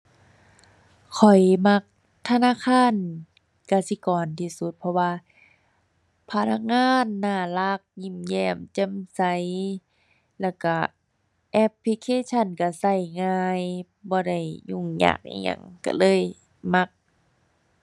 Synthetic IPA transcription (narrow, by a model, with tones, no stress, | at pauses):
kʰɔ˨˩jma˧k̚ | t̪ʰa˧naː˧˥˨kʰaː˧˥˨n | kaː˧˩si˧kɔː˨˩nt̪ʰiː˧˩su˧˦t̪̚pʰɔ˧waː˧ | pʰa˧na˧k̚ŋaː˧˥˨nːaː˧˩la˧˦k̚ɲi˧˩mjɛː˧˩mt͡ɕe˧˥˨msa˧˦j | lɛː˧˩wka˧˩ | ʔɛ˧˦pʰli˧kʰeː˧˥˨t͡ɕʰa˧˩˨nka˧˩sa˧˩jŋaː˧j | bɔː˧˦da˧˩jɲu˧˩˨ŋɲa̰ː˧˩k̚ʔa̰˧˩ɲa̰˧˩ŋka̰˧˩lɤː˧˥˨j | ma˧˥k̚